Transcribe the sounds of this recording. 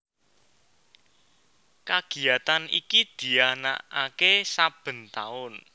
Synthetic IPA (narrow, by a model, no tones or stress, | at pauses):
kaɡ̥i̤at̪anḭkid̪̥i̤ana̰ʔakesab̥ə̤nt̪aʊn